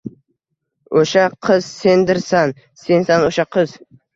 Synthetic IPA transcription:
oʃaqʰɨz̥se̞nd̪ɪɾsan | sensanoʃaqʰɨz̥

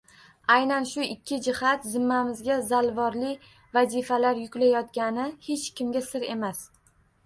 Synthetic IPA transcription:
ajnanʃʊɪkʲʰːɪd͡ʒɪhat̪zɪmːamɪzɡʲazalvɒɾlɪ | vazifalaɾjʊkʲlajɒt̪ɡʲanɪhe̞t͡ʃkʲʰɪmɡʲasɪɾe̞mas

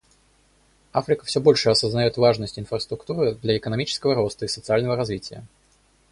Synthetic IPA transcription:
afɾʲɪkəfsʲobo̞lʲʂɨɐsəznɐjot̪vaʐnəsʲtʲɪnfɾəst̪ɾʊkt̪uɾɨd̪lʲɐɛkənɐmʲit͡ɕɪ̥skəvəɾo̞st̪əisət̪sɨalʲnəvəɾɐzvʲitʲɪjə̰

